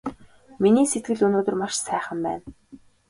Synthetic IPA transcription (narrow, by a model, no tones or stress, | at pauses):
miniːset̪̚ɡɘ̆ɮɵnoːt̪ɵ̆rmaʃsæːχə̆mpæ̰ːn